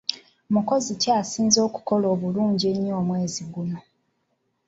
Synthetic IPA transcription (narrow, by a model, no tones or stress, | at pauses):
muko̞zicaːsiːnzo̞ːku̥ko̞lo̞ːβuluːɲɟie̞ɲːo̞ːmwe̞ːziɡuno̞